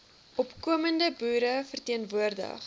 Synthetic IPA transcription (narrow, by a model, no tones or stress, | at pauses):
ʔɔpkuəməndəbuːɾəfərtiənvuərdə̰χ